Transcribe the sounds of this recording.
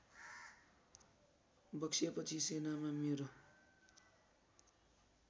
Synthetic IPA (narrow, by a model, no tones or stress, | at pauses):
bʌksʰjapʌt͡sʰisenamameɾo